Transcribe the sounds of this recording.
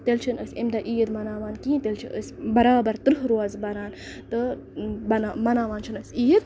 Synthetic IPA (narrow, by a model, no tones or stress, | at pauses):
t̪elt͡ʃʰinəsʲimd̪ɐʔiːjəd̪mɐnaːʋaːnkĩːt̪elt͡ʃʰiʔəsʲbɐɾaːbɐɾt̪ɨɾɨɦɾoːɐzbɐɾaːnt̪ɨ | bɐnamɐnaːʋaːnt͡ʃʰinəsʲiːjət̪̚